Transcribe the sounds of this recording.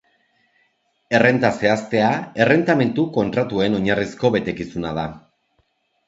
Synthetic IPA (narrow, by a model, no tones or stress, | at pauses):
e̞re̞nt̪ase̞ast̪e̞ae̞re̞nt̪ame̞nt̪uko̞nt̪ɾat̪ue̞no̞ɲarisko̞βe̞t̪e̞kisunað̞a